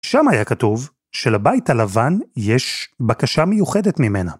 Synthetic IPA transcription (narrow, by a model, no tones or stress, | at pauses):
ʃamajakatuv | ʃelabaitalavanjeʃbakaʃamejuχe̞detmime̞na